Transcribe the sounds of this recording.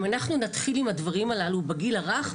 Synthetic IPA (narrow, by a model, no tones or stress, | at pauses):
manaχnunat̪χilimhadvaʁimalalubeɡilaʁaχ